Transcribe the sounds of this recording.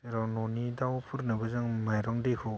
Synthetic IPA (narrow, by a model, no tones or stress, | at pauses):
eɾawnɔnidawpʰɯɾnɯbɯzɯŋmajɾɔŋdekʰɔ